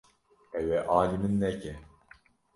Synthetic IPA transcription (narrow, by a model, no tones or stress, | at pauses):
ɛwɛʔaːlimɨnːɛcɛ